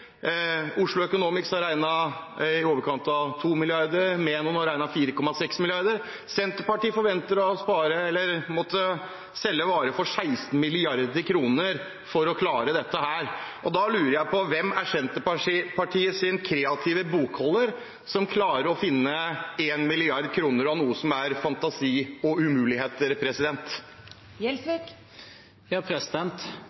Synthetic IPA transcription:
ʊʂlʊœkʊnuːmɪksɑɾæɪnɑɪoːʋəɾkʰɑnt̪ɑʋt̪ʰuːmɪlɪɑɾd̪əɾmeːnʊnɔɾæɪnɑfiːɾəkʰɔmːɑsɛksmɪlɪɑɾd̪əɾ | sɛnt̪əɾpɑʈiːfɔɾʋɛnt̪əɾɔspɑːɾəɛlːəɾmɔt̪ʰːə | sɛlːəʋɑːɾəfɔʂæɪst̪n̩mɪlɪɑɾd̪əɾkʰɾuːnəɾ | fɔɾɔkʰlɑːɾəd̪ɛt̪ːəhæːɾʔɔd̪ɑlʉːɾəɾjæɪpʰɔʋɛmæʂɛnt̪əpʰɑʈʰiːəsɪnkʰɾeːɑt̪ʰɪʋəbuːkhɔlːəɾ | sɔmkʰlɑːɾəɾɔfɪnːəeːnmɪlɪɑɾd̪kʰɾuːnəɾɑʋnuːəsɔmæɾfɑnt̪ɑsiːɔʉmʉːlɪheːt̪əɾpʰɾɛsɪd̪ɛnt̪ | jɛlsʋɪk | jɑpʰɾɛsɪd̪ɛnt̪

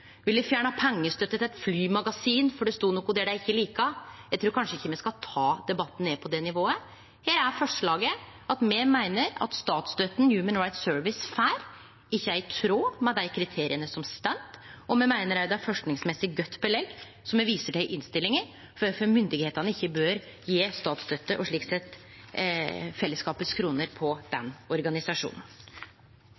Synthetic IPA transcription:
ʋɪld̪ɛfjæːɳəɑpʰɛŋːəst̪œt̪ːət̪æɪt̪flyːmɑɡɑsiːnfɔɖɛst̪uːnɔkːʊd̪ɛɖæɪçːəliːkəjæɪt̪ʰɾuːɾkʰɑnʂəɪçːəmɛskɑt̪ʰɑːd̪ɛbɑt̪ːn̩neːpʰɔd̪ɛnɪʋoːə | heːɾæɾfɔʂɭɑːɡə | ɑt̪mɛmæɪnəɾɑ̰t̪st̪ɑːt̪sd̪øːt̪n̩jʉːmənɹɑɪt̪søːɹʋɪsfæːɾ | ɪçːəæɾt̪ʰɾoːmɛd̪æɪkʰɾɪt̪ʰeːɾɪənəsɔmst̪ɛnt̪ɔmɛmæɪnəɾæɾd̪æfɔʂknɪŋsmɛsːɪɡœt̪ːbəlɛɡ | sɔmɛʋiːsəɖæɪʔɪnst̪ɪlːɪŋəɾ | ffɔmʏnd̪ɪɡheːt̪ɑnəɪçːəbøːɾ | jeːst̪ɑːt̪sd̪œt̪ːəʔɔʂɭiːksɛt̪ː | fɛlːəskɑːpət̪skʰɾuːnəɾpʰɔd̪̥ɛnɔɾɡɑnɪsɑʂṵːnn̩

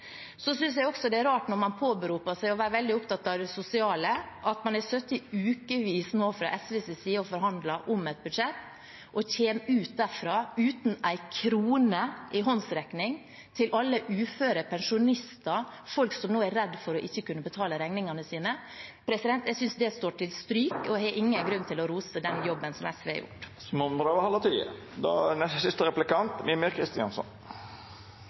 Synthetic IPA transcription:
sɔsʏns̬jæɪɔksɔd̪ɛæɾɑːʈnɔɾmɑnpʰoːbəɾuːpɑsæɪɔʋæːɾəʋɛld̪ɪʊpt̪ɑt̪ːɑʋd̪ɛsʊsɪɑːləʔɑt̪mɑnæɾsœt̪ːɪʉːkəʋiːsmoːfɾɑ̰ʔɛsʋeːsɛsiːɔfɔɾɦɑnd̪lɑʔʊmɛt̪̚bʉd̪ʂɛt̪ː | ʔɔçeːmʉːt̪̚d̪æɾfɾɑːʉːt̪næɪkʰɾuːnəʔɪɦɔnsɾɛknɪŋ | t̪ʰɪlʔɑlːəʔʉːføːɾəpʰɛnʂʊnɪst̪ɑfɔlksɔmnoːæɾɾɛd̪fɔɾɔʔɪçːəkʉnːəbət̪ʰɑːləɾɛŋnɪŋɑnəsiːnə | pʰɾɛsɪd̪ɛnt̪jæɡsʏnsd̪ɛst̪oːʈʰɪlst̪ɾyːkɔhɛʔɪŋːənɡɾʉnt̪ʰɪlɔɾuːsəd̪ɛnjɔbːənsɔmæ̰sʋɛ̰jʊ̰ʈːsmɔmɾɑːʋəhɑlət̪ʰiːə̰ | d̪ɑ̰ːnɛssɪst̪əɾɛplɪkɑnt̪miːmyɾkʰɾɪst̪ɪɑ̰nsɔ̰n

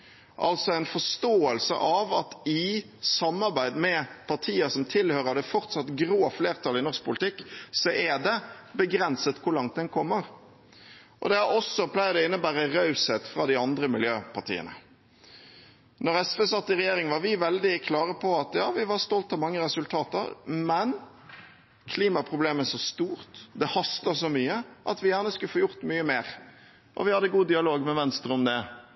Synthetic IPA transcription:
ʔɑ̰lt̪sɔæɪnfɔʂt̪oːəlsə̰ʔɑʋɑt̪ɪ | sɑmːɑɾbæɪd̪mɛpʰɑʈ̪ʰiːəsɔmt̪ʰɪlhøːɾəd̪ɛfɔʁt̪sɑt̪ɡɾoːfleːʁt̪ʰɑlɪnɔɾsk̚pʊlɪt̪ʰɪkːsɔʔɛd̪ɛbəɡɾɛnsət̪kʰʊɾlɑŋt̪̚d̪ɛnkʰɔmːəʁ | ʔɔ̰d̪ɛɑɔsːɔpʰlæɪd̪ɛɪnːəbæːɾəʁɑʉshɛt̪fɾɑd̪ɪɑnd̪ɾəmɪljøːpʰɑʁt̪ʰḭːə̰nə̰ | nɔʁɾɛsfɛsɑt̪ːɪʁɛjeːɾɪŋʋɑɾʋɪʋɛld̪ɪkʰlɑːʁəpʰɔɑt̪jɑːʋɪʋɑʁst̪ɔlt̪ɑmɑŋːəɾɛsʉlt̪ʰɑːt̪ə̰ɾmɛn | kʰliːmɑpʰʁʊbleːmæʂɔst̪uːɾt̪d̪ɛhɑst̪əsɔmyːəʔɑt̪ʋɪjæːʁnəskʉləfoːjʊʁt̪myːəmeːɾ | ʔɔ̰ʋɪhɑd̪ːəɡuːd̪ɪɑloːɡmɛʋɛnst̪ɾʊmd̪ɛ

